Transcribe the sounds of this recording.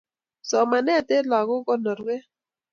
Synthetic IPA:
sɔ˨ma˨nɛ˦˨te˦la˨kɔ˦kɔ˦nɔ˨ɾwe˦

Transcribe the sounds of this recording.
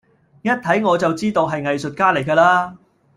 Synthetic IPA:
jɐ˥t̚t̪ʰɐ˨˥jŋɔː˨˧t͡sɐ˨wt͡siː˥t̪o˨˧wɦɐ˨jŋɐ˨jsɵ˨t̚kaː˥le˨˩jkɐː˧laː˥

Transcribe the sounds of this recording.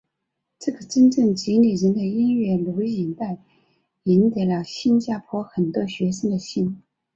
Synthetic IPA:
ʈ͡ʂɤ˥˩ɡə˩ʈ͡ʂə˥nʈ͡ʂɤ˥˩ŋt͡ɕi˧˥ni˨˩ɻə˧˥nd̪ə˧i˥nɥɛ˥˩lu˧˥ʊi˨˩nt̪a˥˩ɪ | i˧˥nt̪a˧˩ɪlə˧ɕi˥nt͡ɕja˥pʰwɔ˥xə˨˩nt̪wɔ˥ɕɥɛ˧˥ʂɤ˥ŋd̪ə˨ɕi˥n

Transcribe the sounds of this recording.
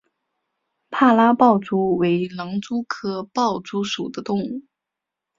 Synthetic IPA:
pʰa˥˩la˥pɑ˥˩ʊt͡su˧˥we˧˥ɪlɑ˧˥ŋt͡su˥kʰɤ˥pɑ˥˩ʊt͡su˥ʂu˨˩d̪ə˦t̪ʊ˥˧ŋu˥˩

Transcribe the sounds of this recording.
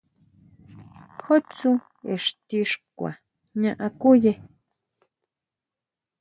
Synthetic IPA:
xo˦t͡su˦ | e˨ʂt̪i˧ʂkʷa̰˨ | ɲã˧ʔa˧ku˦je˧

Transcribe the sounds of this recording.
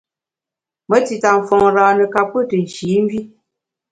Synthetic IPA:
mə˦ti˨ta˨m̩˨fɔ˨ŋɾaː˨nɨ˨ka˨p̚ːə˦tə˨n̩˨ʃiː˨˦m˦bi˦

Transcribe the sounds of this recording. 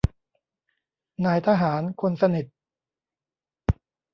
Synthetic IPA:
naː˧jt̪ʰaː˧ɦaː˩˦nkʰo˧nsa˧ni˨˩t̪̚

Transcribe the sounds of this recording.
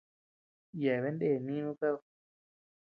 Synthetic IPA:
jɛ˨βe˦ndeː˦˨nĩ˦nũ˦ka˦ðo˧˨

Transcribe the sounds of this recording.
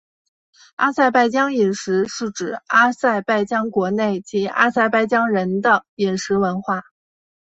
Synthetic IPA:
a˥sa˥˧ɪpa˥˩ɪt͡ɕjɑ˥ŋi˨˩nʂɻ̩˧˥ʂɻ̩˥˩ʈ͡ʂɻ̩˨˩a˥sa˥˧ɪpa˥˩ɪt͡ɕjɑ˥ŋkwɔ˧˥ne˥˩ɪt͡ɕi˧˥a̰˥sa˥˧ɪpa˥˩ɪt͡ɕjɑ˥ŋɻə˧˥nd̪ə˧i˨˩nʂɻ̩˧˥wə˧˥nxwa˥˩

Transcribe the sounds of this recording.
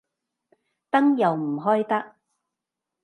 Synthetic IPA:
t̪ɐ˥ŋjɐ˨wm̩˨˩ɦɔː˥jt̪ɐ˥k̚

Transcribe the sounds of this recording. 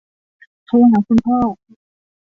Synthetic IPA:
t̪ʰuː˧ɦaː˨˩˦kʰu˧npʰɔː˥˩

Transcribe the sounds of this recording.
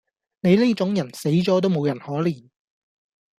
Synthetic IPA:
ne˨˧jli˥t͡ʃʊ˨˥ŋjɐ˨˩nse˨˥jt͡ʃɔː˨˥t̪̬o˥wmo˨˧wjɐ˨˩nhɔː˨˥liː˨˩n

